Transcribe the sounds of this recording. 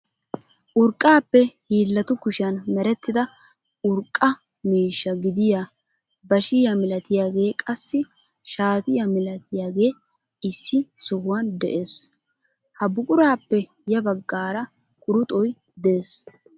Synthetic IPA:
ʔʊɾkʼːaːpːɛhiːlːɐt̪ʊkʊʃɪɐnmɛɾɛt̪ːɪd̪ɐ | ʊɾkʼːɐ | miːʃːɐɡɪd̪ɪjaː | bɐʃɪjɐmɪlɐt̪ɪjaːɡe̞ːkʼɐsːɪ | ʃaːt̪ɪjamɪlɐt̪ʰɪjaːɡe̞ː | ɪsːɪsɔhʊwɐnd̪ɛ̰ʔe̞ːs | hɐbʊkʼʊɾaːpːɛ | jɐbɐɡːaːɾɐ | kʼʊɾʊt̪ʼɔj | d̪e̞ːs

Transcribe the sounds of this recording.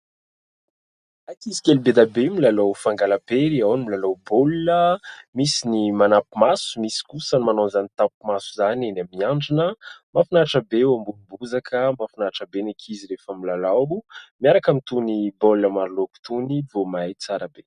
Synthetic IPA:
akizi̥kʲelubed̪abemilalowfaŋɡalapeɾiawnimilalowbolinəmisinimanapumasu̥misi̥kusənimanonzanit̪apumasuzanenamiaɳɖ͡ʐinəmafunaʈ͡ʂəbewambulumbuzakʰəmafunaʈ͡ʂəbenekʰiziɾefamilalawumiaɾakamit̪unibolləmaɾuloku̥t̪univomajt͡saɾabe

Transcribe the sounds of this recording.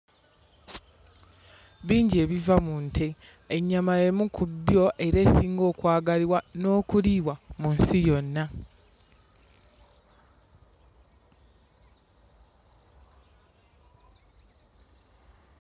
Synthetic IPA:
βiːɲɟe̞ːβivamuntʰe̞ːɲːamaje̞mukʰubjo̞ʔe̞ɾe̞ːsiːŋɡo̞ːkwaːɡaliwano̞ːkuliːwamunsijo̞nːa

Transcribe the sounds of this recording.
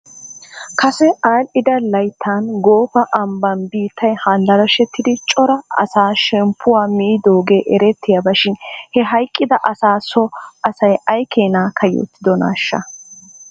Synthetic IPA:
kɐsɛʔaːlɪd̪ɐlɐjt̪ʰːaːnɡo̞ːfɐʔɐmbɐnbiːt̪ːɐjhand̪ɐɾɐʃɛt̪ːɪd̪ɪt͡ʃʼɔɾɐɐ̰saːʃɛmpʰːʊwaːmɪʔɪd̪oːɡe̞ːʔɛɾɛt̪ːɪjabɐʃɪnhɛɦɐjkʼːɪd̪ɐʔɐsaːsɔɐsɐjɐjkʰeːnaːkʰɐjo̰t̪ːɪd̪ɔna̰ːʃːɐ̰

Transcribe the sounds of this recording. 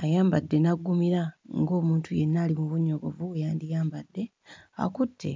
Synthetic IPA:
ajaːmbadːe̞naɡːumiɾaŋɡo̞ːmuːntʰujenːaːlimuβuɲːo̞ɡo̞vuwejaːndijaːmbadːe̞ | a̰kutʰːe̞̰

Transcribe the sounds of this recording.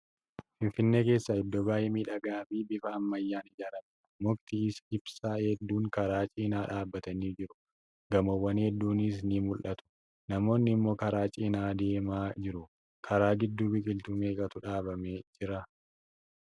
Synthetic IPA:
fɪnfɪnːe̞ːke̞ːsːaɪd̪ːobaːjɛmiːᶑɐɡaːmiːbɪfɐːmːɐjːaːnɪd͡ʒaːɾɐmɐ | mʊkt̪ɪɪsɪb̥saːhɛd̪ːuːŋkɐɾaːt͡ʃʼiːnaːᶑaːbːɐt̪ɐniːd͡ʒɪɾʊ̥ | ɡɐmɔwːɐnhɛd̪ːuːnɪs̬nimʊlʔɐt̪ʊ̥ | nɐmo̞ːnːɪmːo̞ːkɐɾaːt͡ʃʼiːnaːd̪e̞ːmaːd͡ʒɪɾʊ | kʰɐɾaːɡɪd̪ːuːbɪkʼɪlt̪ʊmeːkʼɐt̪ʊᶑaːbɐmeːd͡ʒɪɾɐ

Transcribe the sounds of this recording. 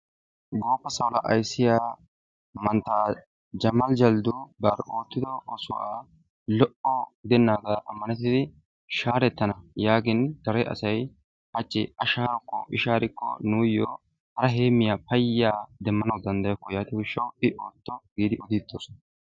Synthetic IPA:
ɡoːpːɐsɐwlɐʔɐjsːɪjaː | mɐnt̪aː | d͡ʒɐmɐld͡ʒɐld̪ʊbɐːɾo̞ːt̪ːɪd̪ɔɔsʊʔaː | lɔʔɔɡɪd̪ɛnːaːɡɐʔɐmːɐnɛt̪̬ːɪd̪ɪ | ʃaːɾɛt̪ːɐnɐjaːɡɪnd̪̥ɐɾɛʔɐ̰sɐj | hɐt͡ʃʼːɪɐʃaːɾɔkːɔʔɪʃaːɾɪkːɔ̰nuːjoː | hɐɾɐɦe̞ːmːɪjaːpɐjːaːd̪ɛmːɐnɐwd̪ɐnd̪ɐjɔkːɔjaːt̪ɪwɪʃːɐwɪʔo̞ːt̪ːɔɡiːd̪ɪʔɔd̪ɪd̪ːoːsɔnɐ

